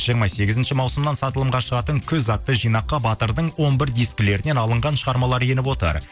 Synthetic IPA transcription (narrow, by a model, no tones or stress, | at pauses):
ʒ̥ijəɾmɑse̞ɡʲɪzɪnʃɪmɑwsəmnɑnsɑt̪əlˠəmʁɑʃəʁɑt̪əŋkʲʰɵzɑt̪ːəʒijnɑqːɑbɑt̪əɾd̪əɴwo̞nbɪɾd̪ijskʲɪle̞ɾɪne̞nɑlˠəɴʁɑnʃəʁɑɾmɑlˠɑɾje̞nɪpwo̞t̪ə̰ɾ